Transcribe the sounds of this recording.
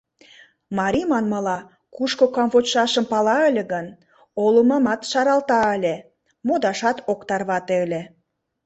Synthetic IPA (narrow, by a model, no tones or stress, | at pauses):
mɑɾʲimɑnmɤlɑ | kuʃkokɑmvot͡ɕʃɑʃə̆mpɑlɑə̆lʲĕɣən | olumɑmɑt̪ʃɑɾɑlt̪ɑəlʲe | mod̪ɑʃɑt̪okt̪ɑrβɑt̪elʲĕ